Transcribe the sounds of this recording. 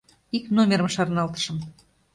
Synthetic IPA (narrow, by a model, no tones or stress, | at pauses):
iknomʲeɾəmʃɑrnɑlt̪ə̥ʃə̆m